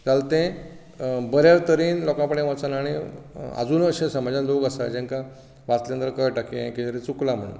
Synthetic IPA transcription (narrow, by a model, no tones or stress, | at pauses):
d͡zalt̪ẽ | bəɾjaɾt̪əɾiːnlɔkãpəɽẽʋət͡sanaɽ̃ia̰d͡zuːnəɕẽsəmad͡ʑãnloɡasad͡ʑẽŋkã | ʋasljãnt̪əɾkəjʈakḛ̃kisəɾĩt͡suklam̤əɳ̰